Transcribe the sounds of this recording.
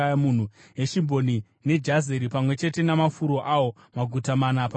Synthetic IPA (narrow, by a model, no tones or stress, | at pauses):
aamun̤ue̞ʃimbo̞ni | ne̞d͡ʒazeɾipamwe̞t͡ʃe̞te̞namafuɾo̞ʔawo̞ | maɡʱutamanapa